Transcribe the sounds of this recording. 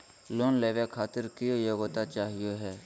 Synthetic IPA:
loːnleːʋekʰaːt̪ɪɾkɪjoːjoːɡot̪at͡ʃaːɦɪjoɦɛː

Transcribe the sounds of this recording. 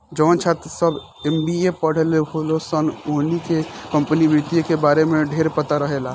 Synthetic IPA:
d͡ʒənt͡ʃʰat̪səb | embiepəɽ̤eleɦolosənoɦnikekəmpənibɾit̪ijəkebaɾemeɖʱeɾpət̪aɾəɦela

